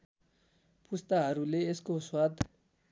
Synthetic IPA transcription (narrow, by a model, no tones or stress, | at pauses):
pust̪aɦʌɾuleːskoswad̪ʱ